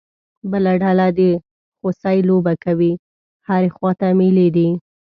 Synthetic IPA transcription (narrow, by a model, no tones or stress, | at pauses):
bəlaɖalad̪ə | xosɑjlobakawi | haɾexwɑt̪ameled̪i